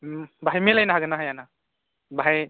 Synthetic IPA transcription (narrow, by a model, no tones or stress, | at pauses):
baɦajmilajnaɦaɡɯnaɦajana | baɦaj